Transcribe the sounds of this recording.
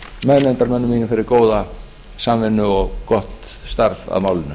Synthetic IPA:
mɛðmɛnt̪aɾmɛnːʏmiːnʏfɪɾɪɾkoːwða | samvɪnːʏɔɣkɔht̪ | st̪aɾfa̰ðmaːwlɪnʏ

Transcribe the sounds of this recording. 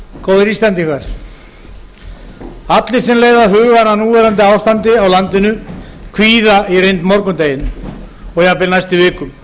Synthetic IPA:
kʰoːwðɪɾiːst̪ant̪iŋkʰvaɾ̥ | at̪lɪ̥sɛmleːjðaðɦʏːɣananuːvɛːɾant̪̬ɪaːwst̪ant̪ɪawlant̪ɪnʏkʰviːðairejnt̪mɔɾkʏmt̪eːjɪn | ɔɣjapɪlnajst̪ɪvɪːkʏm

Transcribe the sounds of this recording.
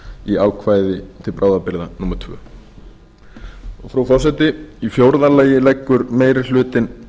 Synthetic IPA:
iaːwkʰvaːjðɪt̪ʰɪlpɾʔaːwðapɪɾðanumaɾ̥t̪ʰvœ̰ː | ɔɣfɾawfɔ̥sɛt̪ɪifjowɾðalaːjɪlɛjkːʏɾmeːjɾɪl̥ʏːt̪ɪn

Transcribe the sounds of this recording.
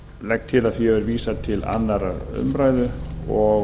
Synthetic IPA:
lɛk̚t̪ʰɪlaðθiɛvɛɾviːsat̪ʰɪla̰nːaɾaɾʏ̰mpɾaːjðʏɔ

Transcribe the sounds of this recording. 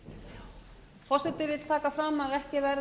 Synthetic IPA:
fɔr̥sɛt̪ɪvɪðl̥t̪ʰaːkafɾaːmaðɛhcɪvɛɾ

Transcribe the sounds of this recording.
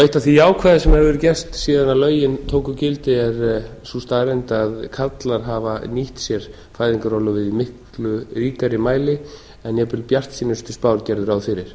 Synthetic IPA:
œɥht̪aθiaːwkʰvɛːðasɛmɛɾvɛɾʏcɛst̪siːðanawlœːɥjɪnt̪ʰoːwkʏcɪlt̪ɪɛɾsust̪aðɾejnt̪aðkʰat̪laɾ̥ɦaːvaniht̪sjɛɾ̥ | faːjðiŋkaɾɔlʏvɪðimɪhk | lʏriːk̪aɾɪmaːjlɪ | ɛnjɛpɪlpjar̥t̪siːnʏst̪ʏ̥spaːwɾcɛɾðʏɾawðfɪɾɪɾ̥

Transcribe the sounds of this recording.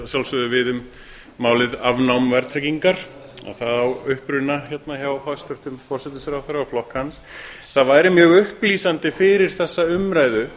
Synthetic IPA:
sjawlsʏðʏvɪðʏmː | aːwlɪðavnawmvɛɾt̪ʰɾɛciŋkaɾ̥ | a̰θaðawʏhpɾʏnaçɛt̪naçawhast̪œht̪ʏmfɔr̥sɛt̪ʏsaɾawθaɾaawflɔhkhans | θaðvaːjɾɪmjœːɣʏhpliːsant̪ɪfɪɾɪɾ̥θɛsːaʏmɾaːjðʏ

